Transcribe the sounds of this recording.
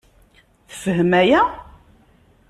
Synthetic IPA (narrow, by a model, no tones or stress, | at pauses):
θə̥fəɦəmæjæ